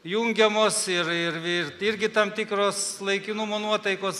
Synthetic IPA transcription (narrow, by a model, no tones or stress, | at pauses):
juŋʲɡʲɛmoːsɪɾɪrɪrɪɾʲɡʲɪt̪ɐmt̪ʲɪkɾoːslˠɐɪkʲɪnʊmoːnuɔt̪ɐɪkoːs